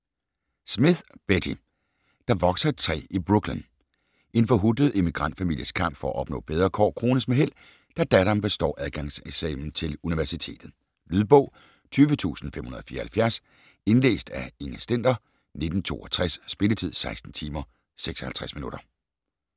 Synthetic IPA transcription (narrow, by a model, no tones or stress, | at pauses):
smiðˠb̥edʰi | d̥ɑ̈ʋɒ̽ɡ̥sɐt͡sʰʁɛ̰ːib̥ʁuɡ̥len | e̝nfɒɦud̥əð̩ˠe̝miɡ̥ʁɑ̈n̰d̥fæmil̰jəskʰɑ̈m̰b̥fɒ̽ɒæʔɒ̽b̥nɔ̰̽ːb̥eð̞ˠʁɐːkʰɒ̰ːkʰʁo̝ːnəsmeɦel̰ | d̥æd̥æɾɐmb̥e̝sd̥ɒ̰ːʔæð̞ˠɡ̥ɑ̈ŋseɡ̥sɛ̰ːmn̩t͡sʰe̝luniʋæɐsit͡sʰe̝̰ːd̥ð̩ˠ | lyðˠb̥ɔ̽ʊ̰ | t͡sʰyːʋət͡sʰṵːsn̩femhunɐðˠɒfiːɐhælfjæɐs | e̝nlḛːsd̥æe̝ŋəsd̥en̰d̥ɐ | ne̝d̥n̩t͡sʰo̝̰ːʔɒt͡sʰʁasːb̥e̝lət͡sʰið̰ˠsɑ̈ɪsd̥n̩t͡sʰiːmɐ | seɡ̥sɒhælt͡sʰʁasminuɾ̥ɐ